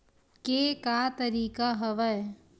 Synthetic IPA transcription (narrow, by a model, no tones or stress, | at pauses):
kekat̪ɐɾiːkaɦɐʋəj